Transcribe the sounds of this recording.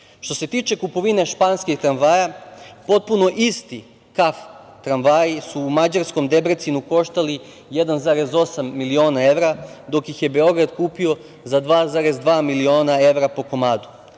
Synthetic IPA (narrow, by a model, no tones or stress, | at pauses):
ʃt̪o̞se̞t̪iːt͡ʃe̞kupo̞ʋine̞ʃpaːnskeɡt̪ɾanʋajapo̞t̪̚puno̞ʔist̪i | kaf | t̪ɾanʋajisuːmad͡ʑaɾsko̞md̪e̞bɾet̪sinuko̞ʃt̪ali | je̞d̪anzaɾe̞zo̞samːilio̞ːnae̞ʋɾad̪o̞kjixje̞be̞o̞ɡɾad̪kuːpio̞ | zad̪ʋaːzaɾe̞zd̪ʋaːmilio̞ːnae̞ʋɾapo̞ko̞maːd̪u̥